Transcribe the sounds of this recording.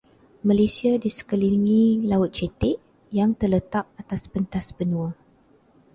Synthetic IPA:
mãlesiadisə̥kəliŋĩlaʊt̪̚t͡ʃɛt̪ɪʔ | jaŋt̪ərlət̪ap̚at̪aspənt̪asbənũa

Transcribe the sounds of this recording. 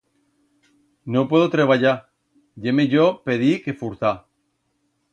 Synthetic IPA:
nopwe̞ðot̪ɾeβ̞aʎa | ʎemeʝope̞ðike̞fuɾθa

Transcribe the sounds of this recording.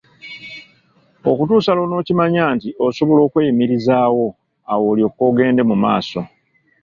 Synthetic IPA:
o̞kutuːsalo̞no̞ːcimaɲaːntioso̞βo̞lo̞ːkwe̞ːimiɾizaːwo̞ | awo̞ːljo̞ko̞ːɡe̞ːnde̞muma̰ːso̞

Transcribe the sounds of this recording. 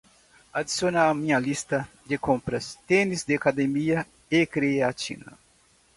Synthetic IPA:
ad̪isionaamĩɲɐlist̪ɐ | d̪ekõmpɾɐst̪ẽnizd̪ɪakad̪emiɐ | ekɾeeat͡ʃḭ̃nɐ̰

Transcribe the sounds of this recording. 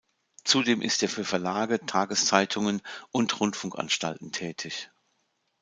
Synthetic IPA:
t͡sudeːmʔɪ̰stʔeːɐfyːɐfɛɐlaːɡətʰaːɡəst͡saɪtʰʊŋənʔʊntʁʊntfʊŋkʔa̰nʃta̰ltn̩tʰɛːtʰɪç

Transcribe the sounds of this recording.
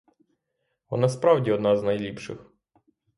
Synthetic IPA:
ɔ̰nɑspɾɑwdʲiɔd̪nɑznɐjlʲipʃɪ̰x

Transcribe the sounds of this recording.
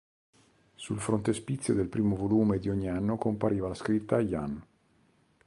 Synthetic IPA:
sulfɾont̪espit̪sːjod̪elpɾiːmovoluːmed̪ioɲːianːokompaɾiːvalaskɾit̪ːaja̰n

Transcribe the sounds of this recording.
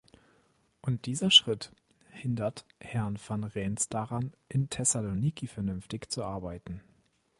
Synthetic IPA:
ʔʊnt̚d̥iːzɐʃʁ̥ɪt | hɪndɐthɛɐnfanʁɛnsd̥aʁanʔɪntʰɛsaloniːkifɛɐnʏnftɪçt͡suʔaɐbaɪtn̩

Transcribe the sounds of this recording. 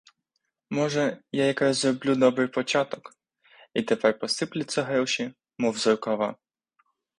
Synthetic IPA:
mɔʒɛjajɐkɾɑzzɾɔblʲud̪ɔbɾɪjpɔt͡ʃɑt̪ɔk | it̪epɛrpɔsɪplʲɪsʲɐɦɾɔʃʲi | mɔwzɔrkɐʋɑ̰

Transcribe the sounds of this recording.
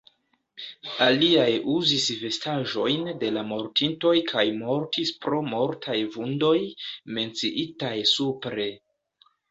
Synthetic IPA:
aliajuzisve̞staʒo̞jnde̞lamo̞ɾtinto̞jkʰajmo̞ɾtispɾo̞moɾtʰajvundo̞jme̞nt͡siʔitajsupɾe̞

